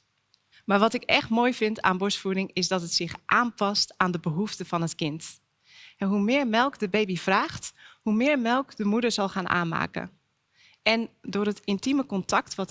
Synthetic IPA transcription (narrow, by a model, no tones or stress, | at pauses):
maːɹʋɑtɪkɛ̰χtmoːjvɪnta̰ːnbʊsfuɾɪŋɪsdɔtɦətsɪχʔaːnpɑstaːndəbəɦuftəvɑnɦətkɪnt | ɛɦumɪːɹmɛlˠkdəbejbiv̥raːχthumɪːɹmɛlˠkdəmudəɹzɑlˠχaːnʔa̰ːnma̰ːkə̰ | ʔɛndʊːrətɪntiməkɔntɑk̚tʋɔt